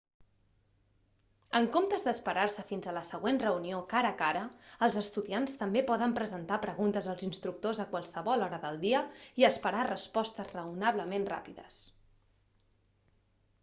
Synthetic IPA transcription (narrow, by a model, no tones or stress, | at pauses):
əŋkomt̪əzðəspəɾarsəfinzələsəɣ̞wenrəuniokaɾəːkaɾəːlˠzəst̪uðianst̪əmbepɔðəmpɾəzənt̪apɾəɣunt̪əzəlˠzinst̪ɾuk̚t̪ozəkwalˠsəβɔlˠɔɾəðəlˠd̪iəiəspəɾarəspɔst̪əzrəunaβləmenra̰piðə̰s